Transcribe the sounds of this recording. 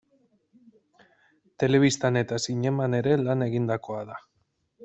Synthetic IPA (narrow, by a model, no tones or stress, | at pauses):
t̪e̞le̞β̞ist̪ane̞t̪asiɲe̞mane̞ɾe̞lane̞ɣind̪ako̞aða